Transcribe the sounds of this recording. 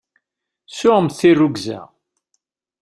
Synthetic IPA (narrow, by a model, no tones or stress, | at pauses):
sʊʁəmθirːuɡzæ̰